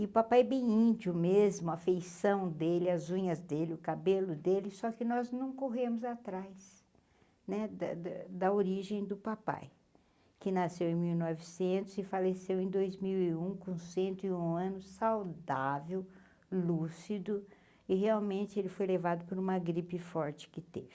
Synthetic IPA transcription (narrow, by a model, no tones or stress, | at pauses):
ɪʊpapajbẽj̃ĩnd͡ʒiʊmezmʊɐfejsɐ̃w̃d̪elɪɐzũɲɐzd̪elɪʊkabelʊd̪elɪsɔkɪnɔznɐ̃w̃koɦemʊzat̪ɾajs | nɛd̪ɐ̰d̪d̪ɐoɾiʒẽj̃d̪ʊpapa̰j | kɪnasewẽj̃miwnɔvɪsẽnt̪ʊzɪfalesewẽj̃d̪ojzmiwiũkõsẽnt̪ʊɪũɐ̃nʊssawd̪avew | lusid̪ʊ | ɪɦeawmẽnt͡ʃɪelɪfojlevad̪ʊpoɾũmɐɡɾipɪfɔɾt͡ʃɪ̥kɪt̪evɪ